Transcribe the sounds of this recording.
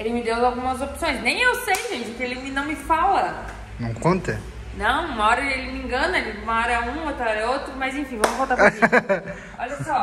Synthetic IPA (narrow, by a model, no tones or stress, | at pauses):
elɪmɪd̪ewzawɡũmɐzopsõj̃snẽj̃ewsejʒẽt͡ʃɪkɪelɪmɪnɐ̃w̃mɪfalɐ | nɐ̰̃w̃kõnt̪ɐ̰ | nɐ̃w̃umɐɔɾɐelɪmĩɡɐ̃nɐlɪumɐɔɾɐɛũot̪ɾɐɔɾɐɛot̪ɾʊmɐzẽfĩvɐ̃mʊzvot̪apɾi | ɔʎɐsɔ